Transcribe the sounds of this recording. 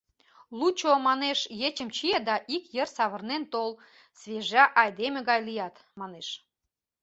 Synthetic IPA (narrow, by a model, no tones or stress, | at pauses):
lut͡ɕomɑneʃjet͡ɕəmt͡ɕied̪ɑʔikjərsɑβə̆rnent̪ol | sβʲeʒɑʔɑjd̪emĕɣɑjlijɑt̪ | mɑneʃ